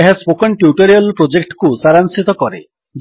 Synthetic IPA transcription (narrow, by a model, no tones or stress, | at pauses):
eɦaspokɔnʈjuʈɔɾialpɾod͡ʒekʈkusaɾansit̪ɔkɔɾḛ | d͡ʒ